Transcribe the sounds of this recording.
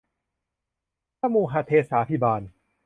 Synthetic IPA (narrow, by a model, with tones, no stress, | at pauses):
aː˥˨muː˧ɦaː˧t̪ʰeː˧saː˩˦˥pʰi˧˥˩baː˧n